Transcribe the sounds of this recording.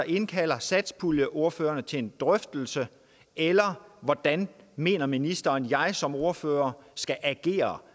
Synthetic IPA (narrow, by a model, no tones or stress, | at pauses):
ʔe̝nkʰæl̰ɐsæd̥spʰuljəʔo̝ɐfø̰ːɐnət͡sʰe̝end̥ʁœfd̥l̩sə | ʔelɐʋɒd̥ænme̝̰ːnɐminisd̥ɐːnjɑ̈ɪsɒ̽mo̝ɐfø̰ːɐsɡ̥æʔæɡ̥e̝̰ːɐ